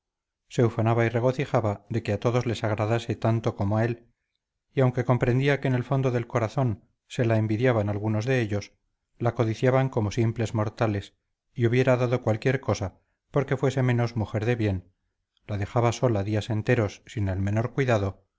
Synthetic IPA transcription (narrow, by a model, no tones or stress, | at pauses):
se̞ufanaβaire̞ɣ̞o̞θixaβaðe̞keat̪o̞ðo̞zle̞saɣɾaðase̞t̪ant̪o̞ko̞moae̞l | iawŋke̞ko̞mpɾe̞nd̪iakeːne̞lfo̞nd̪oðe̞lko̞ɾaθo̞n | se̞laembiðjaβanalɣuno̞zðe̞eʎo̞s | lako̞ðiθjaβaŋko̞mo̞simple̞zmo̞ɾt̪ale̞s | iuβje̞ɾaðaðo̞kwalkje̞ɾko̞sa | po̞ɾke̞fwe̞se̞mẽ̞no̞zmuxe̞ɾðe̞βje̞n | laðe̞xaβaso̞laðiase̞nt̪e̞ɾo̞sːine̞lme̞no̞ɾkwiðaðo̞